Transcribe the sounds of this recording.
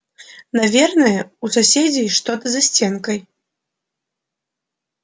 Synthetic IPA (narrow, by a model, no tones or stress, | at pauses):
navʲɛrnɨjɛususʲed͡zʲijʂt̪ɔt̪ɨzasʲt͡sʲɛnkɐj